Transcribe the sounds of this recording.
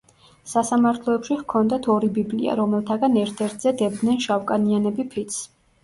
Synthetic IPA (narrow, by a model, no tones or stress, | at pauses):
sasamaɾt̪ʰlˠɔɛpʃihkʰɔnd̪at̪ʰɔɾibiblḭa̰ɾɔmɛlˠt̪ʰaɡanɛɾt̪ʰɛɾt̪ʰz̥ɛd̪ɛbd̪nɛnʃawkʼanianɛbipʰit̪s